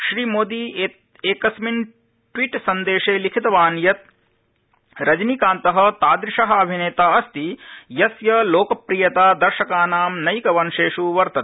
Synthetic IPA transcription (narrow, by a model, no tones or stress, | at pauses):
ʃɾiːmoːd̪i | eːkɐsmin | ʈʋiːʈsɐnd̪eːʃeːlikʰit̪ɐʋaːnjɐt̪̚ | ɾɐd͡ʒnikaːnt̪ɐɦɐ̆t̪aːd̪ɾɪʂɐɦɐ̆ɐbʱineːt̪aːɐst̪ijɐsjɐloːkɐpɾijɐt̪aːd̪ɐɾʃɐkaːnaːmnɐjkɐʋɐnʃeːʂuʋɐɾt̪ɐt̪